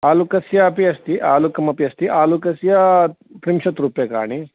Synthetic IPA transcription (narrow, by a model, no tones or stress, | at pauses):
aːlukɐsjɐɐpiɐst̪iʔaːlukɐmɐpiɐst̪iʔaːlukɐsjɐ | p̪ɾimʃɐt̪ɾuːpjɐka̰ːɳ̃i